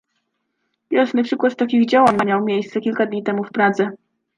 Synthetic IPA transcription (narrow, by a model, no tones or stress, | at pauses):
bʲjɔʂnɘpʂɘkwat̪t̪akʲiɣd͡ʑawaɲamʲjawmʲjejst̪sɛkʲilkad̪ɲit̪ɛmufpɾad̪zɛ